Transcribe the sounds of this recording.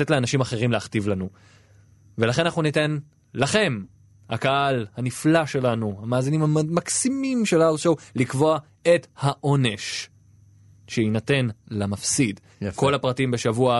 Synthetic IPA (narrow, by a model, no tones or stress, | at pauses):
etleanaʃimaχe̞ʁimleaχtivlanu | velaχenanaχnunite̞n | laχe̞m | hakaʔalhaniflaʃe̞lanuhamaːzinimhamaksimimʃelalsowlikvo̞a | ethaʔo̞ne̞ʃ | ʃeinate̞nlamafsid | ko̞lapʁatimbe̞ʃavua